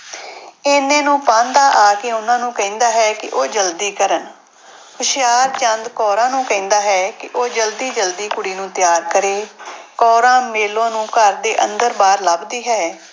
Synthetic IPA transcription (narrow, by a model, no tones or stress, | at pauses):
eːnẽːnũːpãːnd̪aːʔaːkeːʊnãːnũːkɛ̃ĩːnd̪aːɦɛːkɪʔoːd͡ʒəld̪iːkəɾən | hʊʃɪjaːɾt͡ʃə̃nd̪kɔːɾãːnũːkɛ̃ĩːnd̪aːɦɛːkɪʔoːd͡ʒəld̪iːd͡ʒəld̪iːkʊɽiːnũːt̪ɪjaːɾkəɾeːkɔːɾãːmeːlõːnũːkəɾd̪eːʔə̃nd̪əɾbaːɾlabd̪iːɦɛː